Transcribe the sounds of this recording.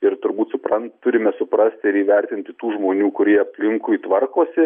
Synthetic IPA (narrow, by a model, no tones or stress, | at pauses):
ɪɾt̪ʊɾbuːt̪sʊpɾɐntt̪ʊɾʲɪmʲɛsʊpɾɐsʲt̪ʲɪɾiːʋʲɛɾʲt̪ʲɪnʲt̪ʲɪt̪uːʒmoːnʲuːkʊɾʲiɛɐpʲlʲɪŋkʊit̪ʋɐrkoːsʲɪ